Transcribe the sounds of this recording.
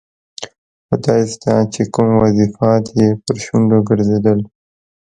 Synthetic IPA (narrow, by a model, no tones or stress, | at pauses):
xod̪ɑɪst̪ɑt͡ʃekumwazifɑt̪jepəɾʃuɳɖoɡəɾzed̪əl